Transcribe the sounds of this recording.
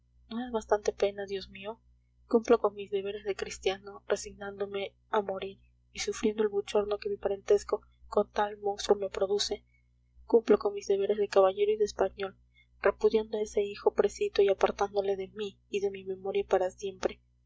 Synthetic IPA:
no̞ezβast̪ant̪e̞pe̞naðjo̞zmio | kumplo̞ko̞nmizðe̞β̞e̞ɾe̞zðekɾist̪jano̞re̞siɣnãnd̪o̞me̞ | amoɾiɾ | isufɾje̞nd̪o̞e̞lβut͡ʃo̞ɾno̞ke̞mipaɾe̞nt̪e̞sko̞ | ko̞nt̪almõ̞nst̪ɾume̞pɾo̞ðuse̞ | kumploko̞nmizðe̞βe̞ɾe̞zðe̞kaβaʝe̞ɾoiðespaɲo̞l | re̞puðjand̪oae̞se̞ixo̞pɾe̞sit̪oiapaɾt̪and̪o̞le̞ðe̞miːðe̞mime̞mo̞ɾjapaɾasje̞mpɾe̞

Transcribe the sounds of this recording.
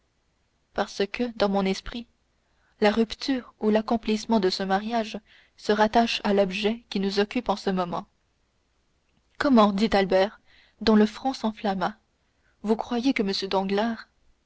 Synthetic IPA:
paʁsəkəd̪ɑ̃mɔ̃nɛspχi | laʁypt̪yːʁulakɔ̃plismɑ̃d̪əsəmaʁjaʒ | səʁat̪aʃalɔbʒɛkʲinuzɔkʲypɑ̃səmɔmɑ̃ | kɔmɑ̃d̪it̪albɛːʁ | d̪ɔ̃ləfχɔ̃sɑ̃flama | vukχwajekəməsjød̪ɑ̃ɡlaːʁ

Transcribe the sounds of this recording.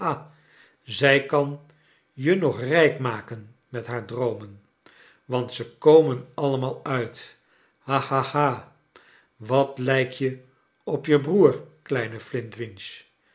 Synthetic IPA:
a | zɛjkɑn | jənɔχrɛjkmaːkən | mɛtɦaːɹdrowmən | ʋɑntsəkowmənɑləmaːlˠœɥt | hahahaː | ʋɑtlɛjkjə | ɔpjəbruːrklɛjnəflɪntʋɪnʃ

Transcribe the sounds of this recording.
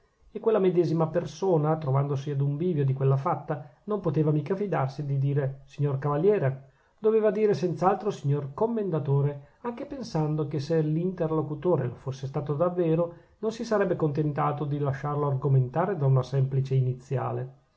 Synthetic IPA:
ekːwelːamed̪ɛːzimapersoːnat̪ɾovand̪osiad̪uɱviːvjod̪ikwelːafat̪ːanompot̪eːvamiːkafid̪arsid̪id̪iːɾesiɲːorkavaljɛːɾe | d̪̥oveːvad̪iːɾesɛnt̪saalt̪ɾosiɲːorkomːend̪at̪oːɾe | aŋkepensand̪okeselint̪erlokut̪oːɾḛlofosːest̪aːt̪od̪avːeːɾo | nonsisaɾɛbːekont̪ent̪aːt̪od̪ilaʃːarloarɡoment̪aːɾed̪aunasɛmplit͡ʃeinit̪sːja̰ːle

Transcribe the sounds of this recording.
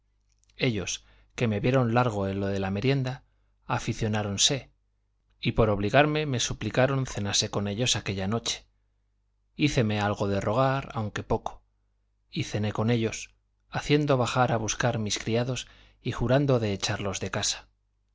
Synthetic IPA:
e̞ʎo̞s | ke̞me̞βje̞ɾo̞nlaɾɣ̞o̞e̞nlo̞ðe̞lame̞ɾje̞nd̪aː | fiθjo̞naɾo̞nse̞ | ipo̞ɾo̞β̞liɣaɾme̞me̞suplikaɾo̞nθe̞nase̞ko̞ne̞ʎo̞sake̞ʎano̞t͡ʃe̥ | iθe̞me̞alɣo̞ð̞e̞ro̞ɣ̞aɾa̰wŋke̞po̞ko̥ | iθe̞ne̞ko̞ne̞ʎo̞s | aθje̞nd̪o̞βaxaɾaβuskaɾmiskɾiaðo̞s | ixuɾand̪o̞ðe̞ːt͡ʃaɾlo̞zðe̞kasḁ

